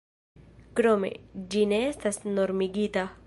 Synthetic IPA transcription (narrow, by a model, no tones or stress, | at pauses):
kɾomḛd͡ʒineest̪asnoɾmiɡit̪a